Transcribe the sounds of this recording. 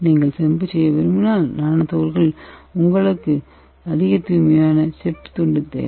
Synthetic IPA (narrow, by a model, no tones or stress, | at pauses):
niːŋɡɐɭsɛmbɯsɛjːɐʋɛɾɯmɯnaːlnaːnɐt̪oːɾɣɐɭʊŋɡɐɭɯkːɯ | ɐðɪɣɐt̪uːmɐjaːnɐsɛpːt̪ɔɳɖɯt̪ːḛː